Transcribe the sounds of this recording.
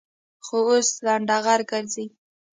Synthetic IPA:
xooslaɳɖɑɣaɾɡəɾzi

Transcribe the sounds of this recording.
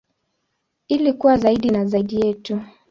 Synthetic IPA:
ilikuwazaiɗinazaiɗijɛtu

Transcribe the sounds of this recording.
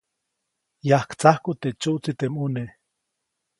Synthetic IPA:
jahkt͡sahkut̪et͡ʃuʔt͡sit̪emune

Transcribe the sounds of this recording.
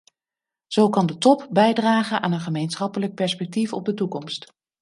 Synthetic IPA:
z̥owkɑndətɔpbɛjdraːχənʔa̰ːnənχəmejnsχɑpələk̚pɛɹspɛk̚tifɔ̰b̚dətukɔmst

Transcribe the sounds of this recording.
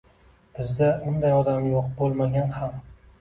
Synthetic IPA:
b̥ɪzd̪aʊnd̪ajɒd̪amjoqbolˠmaɡʲanham

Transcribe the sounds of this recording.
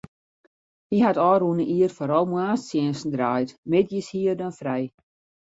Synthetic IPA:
hiɦatɔːɾunəʔiərfoɾɔlˠmwaːssjɪənsn̩draːjtmɪtjishiərdanfrɛj

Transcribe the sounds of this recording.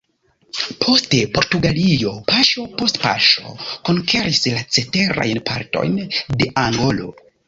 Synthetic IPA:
pʰo̞stepo̞ɾtuɡalijo̞paʃo̞po̞stpa̰ʃo̞̰ko̞ŋkʰe̞ɾislat͡se̞te̞ɾa̰jnpʰaɾto̞̰jnde̞ʔaŋɡo̞lo̞̰

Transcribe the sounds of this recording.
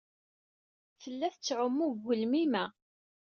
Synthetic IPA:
θəlːæθət͡sːʕəmːuɣəlmimæ

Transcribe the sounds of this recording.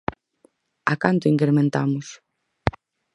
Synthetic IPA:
a̰kant̪ʊiŋkɾemẽnt̪amʊs

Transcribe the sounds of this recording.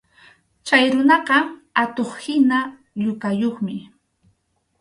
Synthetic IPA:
t͡ʃajɾʊnɑqɑat̪oχhɪna | ʎʊkajoχmɪ

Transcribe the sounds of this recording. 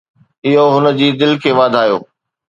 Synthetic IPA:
ɪɦoɦʊnə̆d͡ʑiːd̪ɪlkʰeːʋaːd̪ʱaːjo̰ː

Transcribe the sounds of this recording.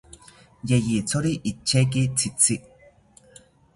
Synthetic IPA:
jejit͡soɾiʔit͡ʃːek̬it͡sʰit͡sʰi

